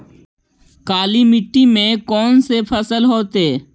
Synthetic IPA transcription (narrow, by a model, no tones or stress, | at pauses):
kaːliːmɪʈːimẽkɔːnsepʰəsəlɦoːt̪eː